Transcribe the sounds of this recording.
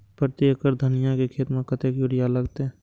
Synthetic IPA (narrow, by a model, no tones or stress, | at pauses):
pɾət̪eːkəɾd̪ʱənɪjãkekʰeːt̪mẽkət̪ekjuɾɪjaləɡt̪eɛ̃